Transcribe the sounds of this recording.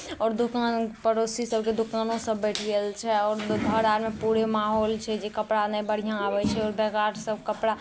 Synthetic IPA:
ɔːɾd̪ukaːnpəɾosisəb̚ked̪ukaːnõsəbːɛʈʰɛlt͡ʃʰɛɔːɾɡʱəɾaɾmepuɾemaɦoːlt͡ʃʰɛd͡ʒekəpɽanɛbəɽ̤ijãabɛt͡ʃʰɛɔːɾbɛɡaʈʰsəb̚kəpɽa

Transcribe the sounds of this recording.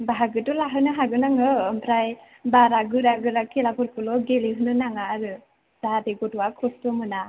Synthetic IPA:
baɦaɡɯtɔlaɦɯnɯɦaɡɯnaŋɯmpʰɾaj | baɾaɡɯɾaɡɯɾakelakʰuɾkɯlɔɡeliɦɯnɯnaŋaːɾɯ | z̥aateɡɔtuwakʰɔstɔmɯna

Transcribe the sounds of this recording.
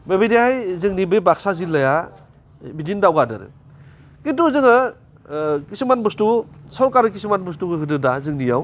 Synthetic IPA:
bebidihajzɯŋnibebak̚sazilːaja | bidindawɡadɯ̰ɾɯ̰ | kintuzɯŋa | kisimanbɯstusɔɾkaɾɯkisimanbɯs̬tuɡɯɦɯdɯdazɯŋnijaw

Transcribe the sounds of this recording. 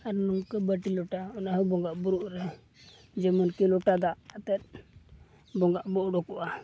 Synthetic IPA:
aɾnuŋkəbəʈilɔʈaɔnaɦɔbɔŋɡaʔbuɾuʔɾɛ | d͡ʒɛmɔnkilɔʈad̪aʔːt̪ɛt̪̚ | bɔŋɡaʔbɔʔɖɔkuʔa

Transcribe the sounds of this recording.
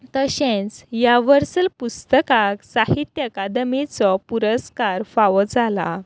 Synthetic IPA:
t̪əɕẽt͡sjaʋəɾsəlpust̪əkaksaɦit̪jəkad̪mit͡sɔpuɾəskaɾfaʋɔd͡zala̰

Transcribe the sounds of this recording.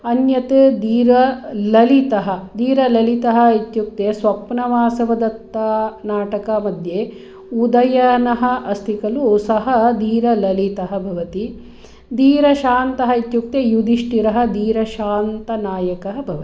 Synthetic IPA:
ɐnjɐt̪ɨd̪iːɾɐlɐlit̪ɐɦɐ̆d̪iːɾɐlɐlit̪ɐɦɐ̆it̪juk̚t̪eːsʋɐpnɐʋaːsɐʋɐd̪ɐt̪ːɐnaːʈɐkɐmɐd̪je | ud̪ɐjɐnɐɦɐ̆ʔɐst̪ʰikɐlusɐɦɐd̪iːɾɐlɐlit̪ɐɦɐ̆bʱɐʋɐt̪i | d̪iːɾɐʃaːnt̪ɐɦɐit̪juk̚t̪ejud̪iʂʈiɾɐɦɐ̆d̪iːɾɐʃaːnt̪ɐnaːjɐkɐɦɐbʱɐʋɐt̪i

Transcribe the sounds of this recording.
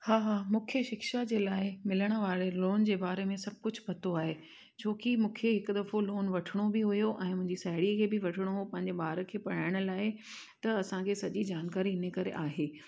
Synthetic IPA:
haːɦaːmũːkʰeʃɪkʃad͡ʑeːlaːɪmɪləɽ̃ə̆ʋaːɾeloːnd͡ʑeːbaːɾemẽsɐb̚ʱkʊd͡ʑʱpɐt̪oaːɦeː | t͡ɕʰoːkimũːkʰeɦɪkd̪ɐfoloːnʋɐʈʰɪɽ̃obɪɦʊjoʔɛ̃ːmʊ̃ɦɪɲd͡ʑisaːɦɪɽiəkʰeːbɪʋɐʈʰɪɽ̃oɦpɐ̃ɦɪɲd͡ʑeɓaːɾə̆kʰeːpɐɽ̤̃aːɪɽ̃ʊ̆laːɪ | t̪ɐɐsãkʰesɐʄid͡ʑaːnkaːɾiɪnəkɐɾḛʔaːɦeː

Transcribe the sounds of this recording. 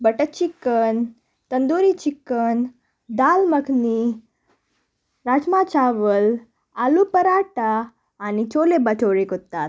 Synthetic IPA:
bəʈət͡ɕikːən | t̪ənd̪uɾit͡ɕikːən | d̪alməkni | ɾad͡ʑmat͡ɕaʋəl | alupəɾaʈaː | nit͡ɕolebət͡soɭekot̪ːat̪̚

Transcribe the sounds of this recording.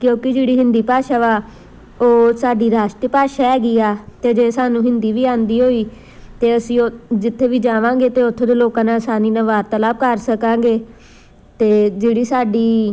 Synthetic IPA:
kjõːkɪd͡ʒeːɽiːɦɪ̃nd̪iːpaːʃaːʋaː | oːsaːɖiːɾaːʃʈɾəpaːʃaːɦɛːɡiːaːt̪eːd͡ʒeːsaːnũːɦɪnd̪iːʋiːãːnd̪iːɦoːiː | t̪eːəsĩːod͡ʒɪt̪ʰːeːʋiːd͡ʒaːʋãːɡeːt̪eːʊt̪ʰːeːd̪eːloːkãːnãːsaːniːnãːʋaːɾt̪əlaːbkəɾsəkãːɡeː | t̪eːd͡ʒeːɽiːsaːɖiː

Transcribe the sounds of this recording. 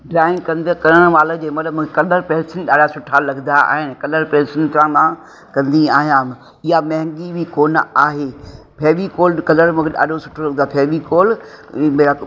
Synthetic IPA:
ɖɾaːɪ̃ŋɡkɐ̃nd̪kɐɾəɽ̃ʋaːlə̃d͡ʑeːmɐt̪ləbmũːkʰekɐləɾpɛːsɪnɗaːɗasʊʈʰalɐɡnd̪aa̰ːɦɪnɪ̆kɐləɾpɛ̃ːsənt̪ɾãːnd̪ã | kɐ̃nd̪iaːɦjãːm | ɪɦamɐ̃ɦɪ̃ŋɡibʱikoːnaːɦe | pʰeːʋikoːlkɐləɾmũːkʰeɗa̰ːɗosʊʈʰolɐɡnd̪apʰeːʋikoːlmea

